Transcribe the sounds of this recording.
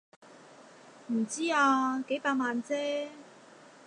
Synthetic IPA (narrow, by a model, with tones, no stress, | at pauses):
m̩˨˩t͡siː˥aː˧ke˨˥jpaː˧k̚maː˧nt͡sɛː˥